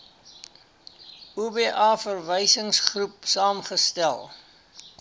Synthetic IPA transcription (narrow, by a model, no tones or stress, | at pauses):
ubeːʔɑːfərvəjsəŋsχrupsɑːmχəstælˠ